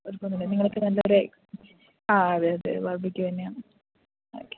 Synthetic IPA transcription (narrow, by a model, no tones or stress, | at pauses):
oɾupoːnːunːeniŋːɐɭokːɨnɐlːɐoɾe | aːɐðaɐðɨ̰ʋɐrbikʲːut̪ɐnːeaːɳɨ | o̰ːkːe̥